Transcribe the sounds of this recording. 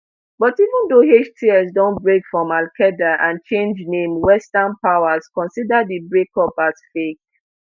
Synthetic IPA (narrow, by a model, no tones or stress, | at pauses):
bɔtivũndoɦet͡ʃtʰiɛsdɔ̃nbɹekfɹɔ̃malkʰɛdaʔãnt͡ʃẽnd͡ʒnẽmwɛstanpaʊaskɔ̃nsidadibɹekɔpasfek̚